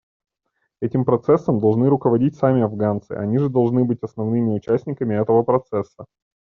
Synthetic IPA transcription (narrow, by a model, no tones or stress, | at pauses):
ɛtʲɪmpɾɐt̪sɛsːəmd̪ɐlˠʐnɨɾʊkəvɐdʲitʲsamʲɪɐvɡant̪sɨ̰ʔɐ̰nʲiʐɨd̪ɐlˠʐnɨbɨtʲɐsnɐvnɨmʲɪʊt͡ɕæsʲnʲɪkəmʲɪɛt̪əvəpɾɐt̪sɛsːə